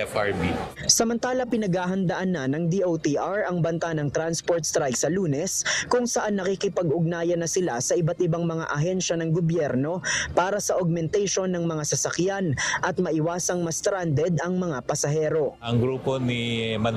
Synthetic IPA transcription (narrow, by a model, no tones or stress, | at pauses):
ɛfabisɐmɐnt̪aːlɐpɪnɐɡhaːɦɐnd̪ɐʔanːɐnɐŋd̪iʔowt̪iʔaɹɐŋbɐnt̪anɐŋt̪ɾanspoɹt̪st̪ɾajksɐluːnɛskʊŋsɐʔanːɐkikɪpɐɡʊɡ̚naːjɐnɐsɪlasɐʔɪbat̪ʔɪbaŋmɐŋa̰ʔɐɦɛnʃɐnɐŋɡobjɛɾno̞paːɾɐsɐʔoɡ̚mɛnt̪ɛjʃo̞nːɐŋmɐŋasɐsɐkjanʔɐt̪̚mɐʔɪwaːsɐŋmɐst̪ɾand̪ɛd̪ʔɐŋmɐŋapɐsɐɦɛːɾo̞ɐŋɡɾuːponimɐ